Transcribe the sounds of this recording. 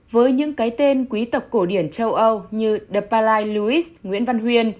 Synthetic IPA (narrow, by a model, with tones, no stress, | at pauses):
vəː˨˦jɲɨ̰˧˥ŋkaː˨˦jt̪e˧nkwi˨˦t̪ə˨˩wk͡p̚ko˧˩ɗi˧˩ənt͡ɕə˧wʔə˧wɲɨ˧ɗə˨˧˩paː˧laː˧jlu˧i˦˥sŋwḭ˧˥ənva˧nɦwi˧ən